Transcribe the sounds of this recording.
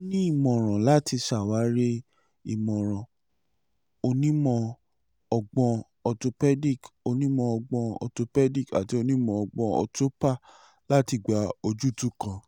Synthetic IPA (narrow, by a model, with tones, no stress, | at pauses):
o˦nĩ˦i˦˨mɔ̃˨ɾ̃ã˨la˦ti˧ʃa˨wa˨˦ɾe˦ | i˦˨mɔ̃˨ɾ̃ɔ̃˨ | o˧nĩ˦mɔ̃˧ | ɔ˧ɡ͡bɔ̃˧ | ɔ˧to˧pɛ˦di˦˨ko˧nĩ˦mɔ̃˧ɔ˧ɡ͡bɔ̃˧ɔ̰˧to˧pɛ˦di˦˨ka˨ti˨˦o˧nĩ˦mɔ̃˧ɔ˨ɡ͡bɔ̃˧ɔ̰˧to˦pa˦˨ | la˦ti˧ɡ͡ba˧o˧d͡ʒu˦˨tu˦kã˧